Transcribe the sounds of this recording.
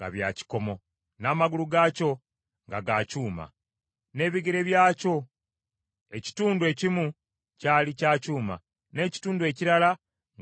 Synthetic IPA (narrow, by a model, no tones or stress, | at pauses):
ŋɡa̰βjaci̥ko̞mo̞ | naːmaɡuluɡaːco̞ | ŋɡa̰ɡaːcuːma̰ | ne̞ːβiɡeɾe̞βjaːco̞ | e̞ci̥tuːndue̞ːcimu | caːlicaːcuːma̰ | ne̞ːci̥tuːndue̞ːciɾala | ŋ